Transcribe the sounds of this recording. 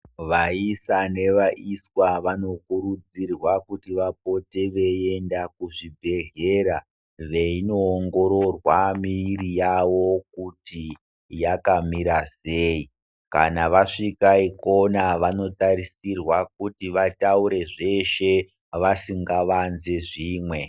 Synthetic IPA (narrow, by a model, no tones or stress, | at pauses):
ʋaisane̞ʋaʔiswaʋano̞kuɾud͡zirwakutiʋap̚o̞teʋe̞e̞ndak̚uʐibʱe̞ɮe̞ɾa | ʋe̞ino̞ːŋɡo̞ɾo̞rwamiːɾijaʋo̞k̚uti | jakamiɾase̞ːi | ka̰naʋaʂikaiko̞naʋano̞taɾisirwak̚utiʋatauɾe̞ʐe̞ʃe̞ | ʋasiŋɡaʋanzeʐiːmwe̞